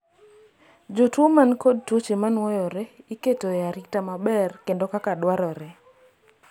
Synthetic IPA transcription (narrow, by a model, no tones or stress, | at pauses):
d͡ʒotomankod̚tut͡ʃemanwɔjɔɾɛiketojaɾik̚tamabɛrkendokakadwaɾɔɾɛ